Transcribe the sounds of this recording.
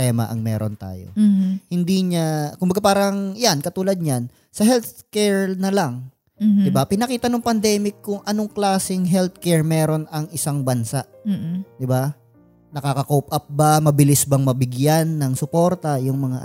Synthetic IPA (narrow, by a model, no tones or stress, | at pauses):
t̪ɛːmɐ̰ʔɐ̰ŋmɛːɾo̰nt̪a̰ːjo̰hɪnd̪iːɲakʊmbɐɡapaːɾɐŋjankɐt̪uːlɐd̪̚ɲan | sɐɦɛlt̪kɛɹnɐlaŋ | d̪ɪbapɪnɐkiːt̪ɐnoŋpɐnd̪ɛːmɪkːʊŋʔɐno̞ŋklaːsɪŋɦɛlt̪̚kɛɹmɛːɾo̞nɐŋɪsaŋbɐnsaʔd̪ɪba | nɐkakɐkowpʔɐp̚bamɐbɪlɪsbɐŋmɐbɪɡjanːɐŋsʊpo̞ɾt̪ɐjʊŋmɐŋa̰ʔ